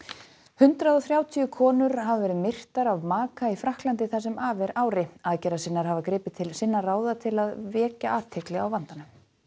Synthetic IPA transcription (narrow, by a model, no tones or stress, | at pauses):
hʏnt̪ɾaðɔθɾjaːwt̪ʰiʏkʰɔːnʏɾ̥ɦavavɛːɾɪðmɪr̥t̪aɾavmaːkaifɾahklant̪̬ɪθasɛmaːvɛɾaːwɾɪaːcɛɾasɪnːaɾ̥havakɾɪːpɪt̪ʰɪlsɪnːaraːwðat̪ʰɪlaðvɛːcaʔaːt̪ʰɪklɛɣawvant̪anʏ